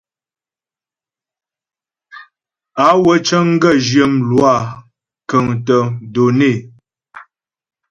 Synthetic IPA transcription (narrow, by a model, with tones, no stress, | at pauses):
a˨˦wə˦t͡ʃə˦ŋ̩˦ɡə˦˨d͡ʒjə˨mlwa˦˨ | kə˨ŋtə˨do˨ne˦˨